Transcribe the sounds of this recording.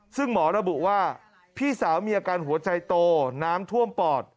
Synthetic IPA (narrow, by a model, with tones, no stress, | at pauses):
sɯ˥˩ŋmɔː˩˦ɾa˧bu˨˩ʔwaː˥˩ | pʰiː˥˩saː˩˦wmiː˧ʔaː˧kaː˧nɦu˨˩˦ɐt͡ɕa˧jt̪oː˧naː˦˥mt̪ʰu˥˩əmpɔː˨˩t̪̚